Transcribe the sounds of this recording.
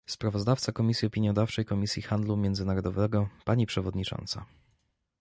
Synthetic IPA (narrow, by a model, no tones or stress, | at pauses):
spɾavɔzd̪aft̪sakɔmʲisʲjiɔpʲiɲjɔd̪aft͡ʂɛjkɔmʲisʲjixand̪lumʲjɛnzɘnaɾɔd̪ɔvɛɡɔpaɲipʂɛvɔd̪ɲit͡ʂɔ̰nt̪sa̰